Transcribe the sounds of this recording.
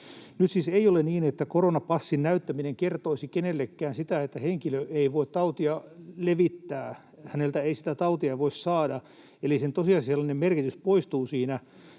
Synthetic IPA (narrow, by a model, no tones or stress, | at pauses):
nyt̪siseioleniːnet̪ːækoronɑpɑsːinnæyt̪ːæmineŋkert̪oisikenelːekːæːnsit̪æet̪ːæheŋkiløʔeiʋoit̪t̪ɑut̪iɑleʋit̪ːæː | hænelt̪æeisi̥t̪æt̪ɑut̪iɑʋoissɑːdɑ | elisent̪osiɑsiselːɑnemmerkit̪yspoist̪uːsiːnæ